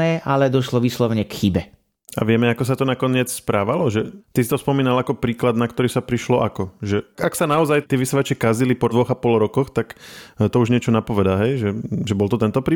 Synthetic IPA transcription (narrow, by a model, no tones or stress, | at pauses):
ɛːʔalɛd̪ɔʃlɔʋiːslɔʊɲɛkxibɛ | a̰ʋɪɛmɛakɔs̬at̪ɔnakɔɲɪɛt͡sspɾaːʋalɔʒɛt̪isi̥t̪ɔspɔmiːnalakɔpɾiːklad̪nakt̪ɔɾiːsapɾiʃlɔʔakɔʒɛaksanaɔzajt̪ɪɛʋisɛʋat͡ʃɛkazilipɔd̪ʋɔɣapɔlɾɔkɔxt̪akt̪ɔuʒɲɪɛt͡ʃɔnapɔʋɛd̪aɦɛjʒɛʒɛbɔlt̪ɔt̪ɛnt̪ɔpɾiː